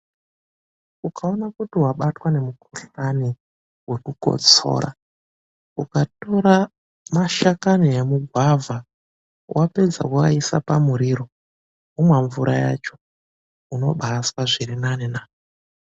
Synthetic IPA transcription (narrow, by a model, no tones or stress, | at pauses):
ukao̞nakutiwaɓatwane̞mukuɬani | we̞kuko̞̰t͡so̞̰ɾa̰ | ukato̞ɾa | maʃakaniemuɡʱwavʱa | wʔape̞d͡za̰kuaisa̰pamuɾiɾo̞ | umwaɱvuɾʔaja̰t͡ʃo̞̥ | uno̞̰ɓaːswaʐiɾinanenaː